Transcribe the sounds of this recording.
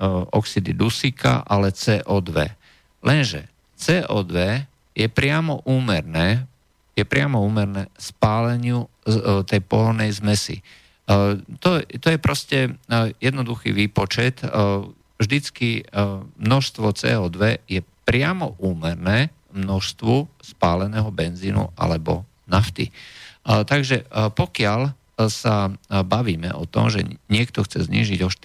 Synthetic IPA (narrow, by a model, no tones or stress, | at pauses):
ʔɔksid̪id̪usikʰa̰ʔalɛt͡sɛːʔɔːd̪ʋɛ̰ | lʔɛnʒɛ̰ | t͡sɛːʔɔːd̪ʋɛ | jɛpɾɪamɔʔuːmɛɾnɛː | jɛpɾɪamɔuːmɛɾnɛːspaːlɛɲɪut̪ɛjpɔɦɔɾnɛjzmɛsḭ | t̪ɔt̪ɔjɛpɾɔscɛjɛd̪nɔd̪uxḭʋiːpɔt͡ʃɛt̪ | vʒd̪it͡skimnɔʃst̪ʋɔt͡sɛ̰ːɔːd̪ʋɛjɛpɾɪamɔ̰ʔuːmɛɾnɛː | mnɔʃst̪ʋuspaːlɛnɛːɦɔbɛnziːnṵʔa̰lɛbɔ | naft̪ḭ | t̪aɡʒɛpɔkɪal | sabaʋiːmɛ̰ʔɔt̪ɔ̰mʒɛ̰ɲɪɛkt̪ɔxt͡sɛzɲḭːʒiɟɔʃ